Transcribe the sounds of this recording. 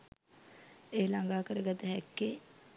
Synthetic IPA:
eːlaŋɡaːkəɾəɡat̪əɦɛkːe

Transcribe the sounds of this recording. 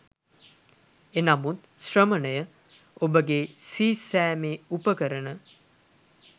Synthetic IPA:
enamut̪ | srəmənəjə | obəɡesiːsæːmeːupəkəɾənə

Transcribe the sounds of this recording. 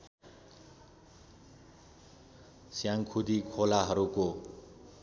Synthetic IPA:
sjaŋkʰud̪ikʰolaɦʌɾuko

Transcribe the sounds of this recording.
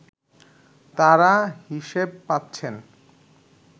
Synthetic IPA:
t̪aɾaɦiʃeb̚patːt͡ɕʰen

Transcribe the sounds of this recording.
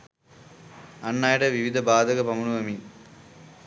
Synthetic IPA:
ɐnːaːjɽɐʋiʋid̪ʱɐbaːd̪ʱɐɡɐpɐmunuʋɐmi

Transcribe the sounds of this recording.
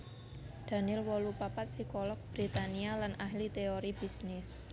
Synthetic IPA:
d̪̥a̤nɪlwɔlupapat̪̚sikɔlɔk̚b̥ɾit̪anialanaɦlit̪eoɾib̥i̤snɪs

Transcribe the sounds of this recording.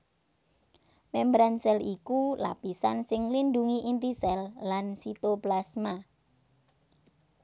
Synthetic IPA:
mɛmbɾansɛlikula̰pisansɪŋlinɖ̪uŋiʔint̪isɛlːansit̪oplasma

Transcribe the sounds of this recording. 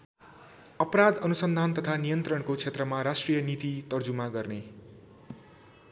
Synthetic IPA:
ʌpɾad̪ʌnusʌnd̪ʱant̪ʌt̪ʰanijʌnt̪rʌnkot͡sʰet̪rʌmaɾasʈrijʌnit̪it̪ʌrd͡zumaɡʌrne

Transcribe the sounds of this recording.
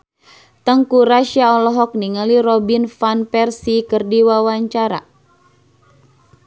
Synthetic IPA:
t̪əŋkuɾaʃiaɔlɔɦɔk̚niŋaliɾɔbinfanpɛrsikərdiwawaɲt͡ʃaɾa̰

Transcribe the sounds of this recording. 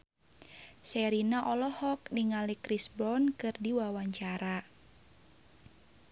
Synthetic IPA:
sɛɾinaʔɔlɔhɔk̚niŋalikɾisbɔnkɨrdiwawaɲt͡ʃaɾa

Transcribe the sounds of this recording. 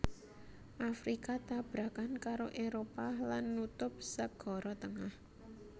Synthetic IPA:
ʔafɾikat̪ab̥ɾakankaɾoʔeɾopalanːut̪ʊp̚səɡ̥ɔ̤ɾɔt̪əŋah

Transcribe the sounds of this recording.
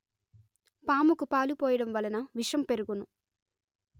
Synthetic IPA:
paːmukupaːlupɔːjɐɽɐmʋɐlɐnɐʋiʂɐmpe̞ɾuɡunu

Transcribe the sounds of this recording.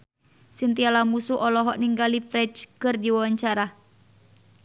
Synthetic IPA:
sint̪ialamusuʔɔlɔɦɔʔniŋɡalifɾɛt͡ʃkɨrdiwawaɲt͡ʃaɾa

